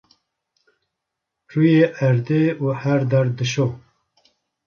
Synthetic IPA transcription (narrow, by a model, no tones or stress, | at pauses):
ruːjeːʔæɾd̪eːuːhæɾd̪ɛɾd̪ɨʃoː